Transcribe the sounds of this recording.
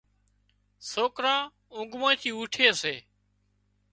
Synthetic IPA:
soːkɾãː | ʊ̃ŋɡmõːĩːt̪ʰiːuːʈʰeːseː

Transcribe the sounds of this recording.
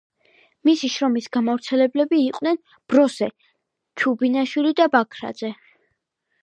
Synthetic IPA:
misiʃɾɔmisɡ̥amavɾt̪sʰɛlɛblɛbiːqʼnɛn | b̥ɾɔsɛ | t͡ʃʰubinaʃwilid̪abakʰɾa̰d̪z̥ɛ

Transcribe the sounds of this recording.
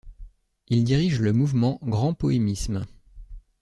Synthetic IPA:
ild̪iʁiʒləmuvmɑ̃ɡʁɑ̃pɔemism

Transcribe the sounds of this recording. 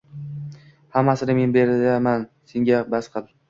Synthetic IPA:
hamːasɪnɪme̞nbe̞ɾd̪amanse̞ŋɡʲabasqʰɨlˠ

